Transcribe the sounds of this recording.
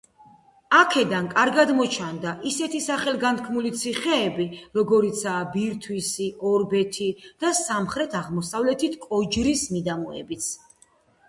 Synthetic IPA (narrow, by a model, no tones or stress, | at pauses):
akʰɛd̪ankʼaɾɡad̪mɔt͡ʃʰand̪aʔisɛt̪ʰisaχɛlɡant̪̚kʰmulit̪sʰiχɛːbiɾɔɡɔɾit̪sʰaːbiɾt̪ʰwisiʔɔɾbɛt̪ʰid̪̥asamχɾɛt̪ʰaʁmɔsavlɛt̪ʰit̪ʰkʼɔd͡ʒɾismid̪amɔɛ̰bit̪sʰ